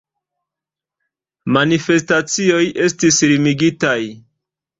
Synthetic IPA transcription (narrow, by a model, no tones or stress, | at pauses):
manife̞stat͡sio̞jʔe̞stisɾimiɡitaj